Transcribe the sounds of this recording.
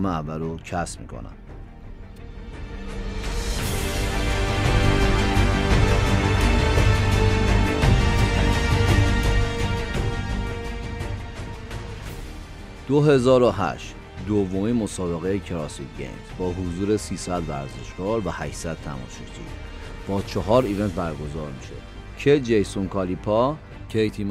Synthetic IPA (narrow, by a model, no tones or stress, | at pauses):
meævːælocʰæsmḭːkʰo̰næ̰m | d̪̥oɦe̞zɒːɾoɦæ̰ʃt̪ | d̪ovːomimo̞sɒːbe̞ɣejecʰeɾɒːsit̪ɡḛnzbɒːɦuzuːɾesiːsæd̪væ̰ɾzḛʃɡ̥ɒːɾvæhæʃsæd̪̥̚t̪ʰæ̰mɒ̰ːʃit̪ʰḭ | b̥ɒːt͡ʃʰeɦɒːɾive̞nt̪̚bæɾɡo̞zɒːɾmiʃḛ | cʰed͡ʒejsonkʰɒlipʰɒ | cʰejt̪ʰim